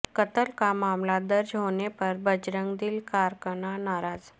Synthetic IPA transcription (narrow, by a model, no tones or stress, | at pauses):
kət̪əlkamamlad̪əɾd͡ʑɦonepəɾbəd͡ʑɾəŋɡd̪iːlkaɾkəɳanaɾad͡z